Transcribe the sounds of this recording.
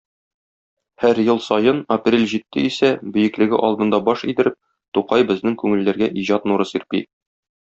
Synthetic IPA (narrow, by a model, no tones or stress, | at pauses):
hæɾjɤlˠsɒjɤnɐprʲelʲʑit̪ːɘisæbɵ̆jɘ̆klɘ̆ɡɘ̰ʔɒlˠd̪ɤ̆nd̪ɑbɒʃĭjd̪ɘ̆ɾɘp̚ | t̪uqɑjbɘ̆znɘŋkʉŋɘ̆lːæɾɡæʔiʑɑt̪nuɾɤsiɾpḭ